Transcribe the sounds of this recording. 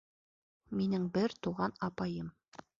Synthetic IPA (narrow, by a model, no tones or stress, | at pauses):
minɘŋbɘɾt̪uʁɑnɑpɑjɤm